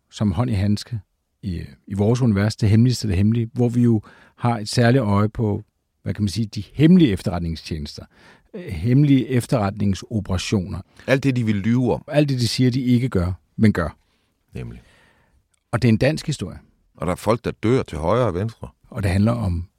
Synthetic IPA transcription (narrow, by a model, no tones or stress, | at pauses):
sɒ̽mɦɒ̽n̰iɦænsɡ̥ə | iiʋɒːs̬uniʋæɐsd̥eɦemlisd̥ɐd̥eɦemliʋɒʋijo̝ | hɑ̈e̝d̥sæɐliɒ̽ɪəpʰɒ̽ | ʋækʰæmænsiːd̥ihemliəefd̥ɐʁɑ̈d̥ne̝ŋst͡ɕʰeːnəsd̥ɐ | hemliəʔefd̥ɐʁɑd̥ne̝ŋso̝pʰəʁɑ̈ɕo̝̰ːnɐæl̰d̥e̝d̥iʋe̝lːyːʊɒmæl̰d̥ːe̝d̥isiːɐd̥ie̝ɡ̥əɡ̥ɶɐ | menɡ̥ɶɐ | nemli | ɒ̽d̥e̝ɐe̝nd̥æn̰sɡ̥hisd̥o̝ɐ̰jə | ʔɒ̽d̥ɑ̈æɐfɒ̽l̰ɡ̥̚d̥ɑ̈d̥ø̰ɐ̰t͡sʰe̝ɦɒɪɐʋensd̥ʁɐ | ʔɒ̽d̥e̝ɦænlɐɒ̽m